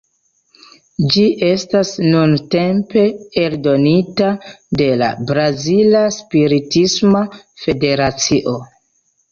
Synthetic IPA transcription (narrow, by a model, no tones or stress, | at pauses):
d͡ʒiʔe̞stasnunte̞mpe̞eldo̞nitade̞la̰bɾazilaspiɾitisma | fe̞de̞ɾat͡siʔo̞